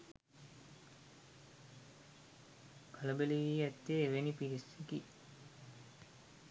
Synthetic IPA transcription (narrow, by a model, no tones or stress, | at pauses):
kɐlɐbeliʋiɛt̪ːeːʋenipiɾiseki